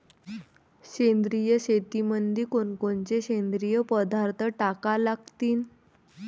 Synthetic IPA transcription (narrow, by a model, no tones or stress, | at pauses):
ɕend̪ɾijəɕet̪imənd̪iːkonkont͡seɕend̪ɾijəpəd̪aɾt̪ʰəʈakalaɡt̪iːn